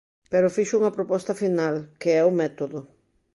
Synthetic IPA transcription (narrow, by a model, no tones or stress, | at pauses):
peɾʊfiʃʊuŋɐpɾopɔst̪ɐfinalkeɛʊmɛt̪oðʊ